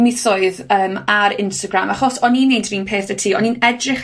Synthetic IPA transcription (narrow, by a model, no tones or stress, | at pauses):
mɪθʊɨðəːmaɾɪnstaɡramaχɔsɔninːejndʰviːnpʰeːθətʰiːɔninɛdrɪχ